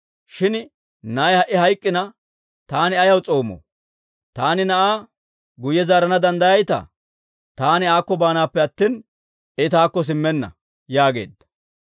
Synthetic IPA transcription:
ʃɪn | nɐjhɐʔɪɦɐjkʼːɪnɐ | t̪aːnɪɐjɐwt͡sʼo̞ːmɔ̰ | t̪aːnɪnɐʔaː | ɡʊjːɛzaːɾɐnɐd̪ɐnd̪ɐjɐjt̪ɐ̰ | t̪aːnɪaːkːɔbaːnaːpːɛɐt̪ːiːn | ɛt̪aːkːɔs̬ɪmːɛnːɐ̰ | jaːɡe̞̰ːd̪ːɐ̥

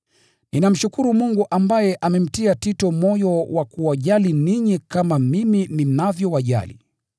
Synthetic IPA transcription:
ninam̩ʃukuɾumuŋɡuʔambajɛʔamɛm̩tiatitɔmɔjɔwakuwaʄaliniɲikamamiminim̩navjɔwaʄa̰lḭ

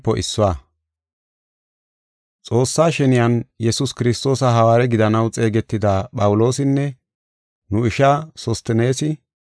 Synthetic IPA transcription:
pːɔʔɪsːʊwaː | t͡sʼo̞ːsːaːʃɛnɪjɐnjɛsʊskɪɾɪst̪o̞ːsɐɦɐwaːɾɛɡɪd̪ɐnɐwt͡sʼe̞ːɡɛt̪ːɪd̪apʼɐwʊlo̞ːsɪnːɛ | nʊɪʃasɔst̪ɛne̞ːsɪ

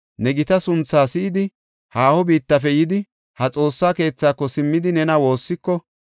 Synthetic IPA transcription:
nɛɡɪt̪ɐsʊnt͡sːaːsɪʔɪd̪ɪ | haːhɔbiːt̪ːɐfɛjɪd̪ɪ | hɐt͡sʼo̞ːsːaːke̞ːt͡sːaːkːɔsɪmːɪd̪ɪnɛnɐwo̞ːsːɪkːɔ

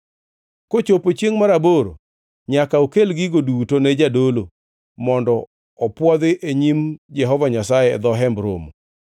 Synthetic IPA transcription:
kot͡ʃopot͡ʃeŋmaɾaboɾo̰ | ɲakaokelɡɪɡodutoned͡ʒadolo | mɔndɔ | ɔpwɔd̪ɪʔeɲimd͡ʒɛɦɔvaɲasajɛ̰ːd̪ɔɦɛmbɾo̰mo

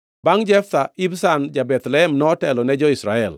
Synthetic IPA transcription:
baŋd͡ʒɛft̪aibsand͡ʒabɛt̪lɛɛmnɔːtɛlɔnɛd͡ʒɔisɾaɛl

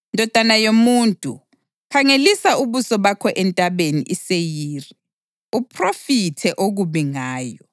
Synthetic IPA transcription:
ndʱɔd̥ʱanajomuːntʼṵ | kʰaŋelisauβusɔβakʰɔʔɛntʼaβenḭʔisejiːri | upʰrofitʰɛʔoɣuβiŋaːjɔ

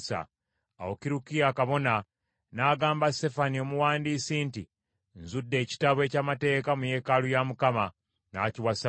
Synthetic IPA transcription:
sa̰ | a̰wokiɾukiakaβo̞na | naːɡaːmbaste̞fanio̞muwaːndiːsinti | nzudːe̞ːci̥taβwe̞ːcamate̞ːkamuje̞ːkalujamukama | na̰ːciwas

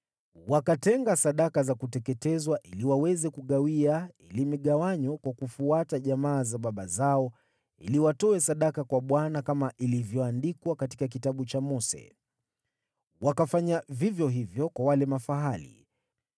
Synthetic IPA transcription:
wakatɛŋɡasaɗakazakutɛkɛtɛzwaʔiliwawɛzɛkuɠawiailimiɠawaɲɔkwakufuataʄamaːzaɓaɓazaɔ | ḭliwatɔɛsaɗakakwaɓwanakamaʔilivjɔandikwakati̥kak̬itaɓut͡ʃamɔsɛ̰ | wakafaɲavivjɔɦivjɔkwawalɛmafaɦalḭ

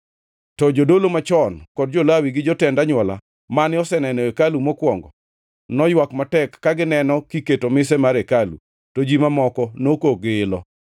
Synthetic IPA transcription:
tɔd͡ʒodolomat͡ʃɔnkɔd̚d͡ʒolawiɡɪd͡ʒɔtɛndaɲwɔla̰ | manɪɔsɛnɛnɔekalumɔkwɔŋɡɔ | nɔjwakmatɛkːaɡɪnɛnɔkiketomɪsɛmaɾekalṵ | tod͡ʒimamɔkɔnokoɡɪlɔ

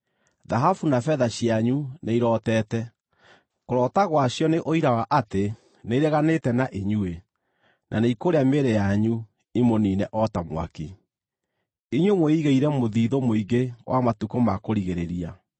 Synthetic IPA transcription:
ðaɦafunafɛðaɕiaɲuneiɾɔtɛːtɛ | koɾɔːtaɣwaɕjɔneʔoiɾawaʔate | neɾɛɣanetɛnaʔeɲue | nʔa̰neikoɾeameɾejaɲu | imoninɛʔɔtamw̰a̰ki | iɲwemweiɣeiɾɛmoðiːðomoiɣewa̰matukomakoɾiɣeɾeɾia

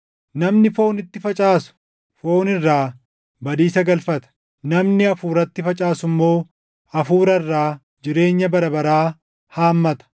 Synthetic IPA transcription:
nɐmnɪfo̞ːnɪt̪ːɪfɐt͡ʃʼaːsʊ̥ | fo̞ːnɪrːaː | bɐd̪iːsɐɡɐlfɐt̪ɐ̥ | nɐmnɪɐfuːɾɐt̪ːɪfɐt͡ʃʼaːsʊmːo̞ː | ɐfuːɾɐɪrːaː | d͡ʒɪɾe̞ːɲːɐbɐɾɐbɐɾaː | haːmːɐt̪ɐ̥

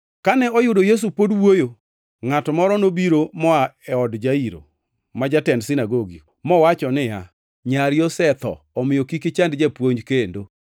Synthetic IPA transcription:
kanɛɔjʊdojes̬upodwojo | ŋatɔmɔɾɔnobiɾomɔaɛɔdd͡ʒaiɾo̰ | mad͡ʒatɛndsinaɡoɡi | mɔwat͡ʃɔnɪja̰ | ɲaɾjɔsɛt̪ɔ̰ːmɪjɔkikɪt͡ʃandd͡ʒɛpwoɲd͡ʒkendo

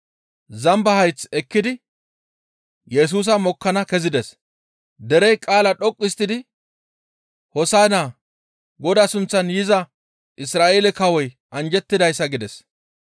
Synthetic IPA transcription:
zɐmbɐhɐjt͡sɛkːɪd̪ɪ | jɛs̬uːs̬ɐmɔkːɐnɐkɛzɪd̪ɛs | d̪ɛɾɛjkʼaːlɐᶑɔkʼːɪst̪ːɪd̪ɪ | hɔsaːnaː | ɡɔd̪asʊnt͡sːɐnjɪzɐ | ʔɪsɾaːʔeːlɛkɐwɔj | ʔɐnd͡ʒɛt̪ːɪd̪ɐjsːɐɡɪd̪ɛs

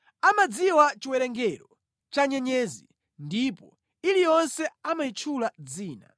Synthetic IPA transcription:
amad͡ziwat͡ʃiwɛɾɛŋɡɛɾɔ | t͡ʃaɲɛɲɛːzḭ | ndipɔ | ilijɔnsɛamait͡ʃʰulad͡ziːna̰

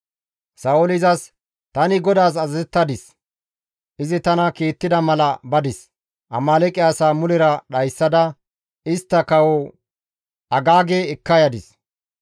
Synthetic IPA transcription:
sɐʊlɪzɐs | t̪ɐnɪɡɔd̪aːs̬ɐzɐzɛt̪ːɐd̪ɪs | ʔɪzɪt̪ɐnɐkiːt̪ːɪd̪ɐmɐlɐbɐd̪ɪs | ʔɐ̰maːlɛkʼːɪaːsaːmʊlɪɾɐɗɐjsːɐd̪ɐ | ɪst̪ːɐkɐwɔ | ɐɡaːɡeːɛkːɐjɐd̪ɪs

